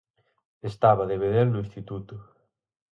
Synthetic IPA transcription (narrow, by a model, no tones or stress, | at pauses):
est̪aβaðeβeðeɾnʊĩnst̪it̪ut̪ʊ